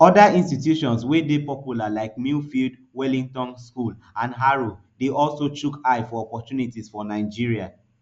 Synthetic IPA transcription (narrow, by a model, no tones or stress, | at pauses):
ɔdaĩnstitjuʃɔ̃nswedepɔpjulalaɪkmifild | wɛlĩŋtɔ̃nskul | ãnɦaɹo | deʔɔlsot͡ʃukaɪfɔɔpɔtjunitisfɔnaɪd͡ʒiɹia